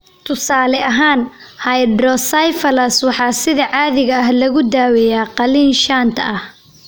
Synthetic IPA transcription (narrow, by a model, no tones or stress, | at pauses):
t̪ʰʊsaːlɛʔɐɦaːn | hɐjɖɾɔsɐjfɐlɐswɑħɑːsɪðɐʕɑːðɪɣɐːɦlɐɣʊd̪aːwɛjaːqɑliːnʃaːnt̪ʰɐʔɐh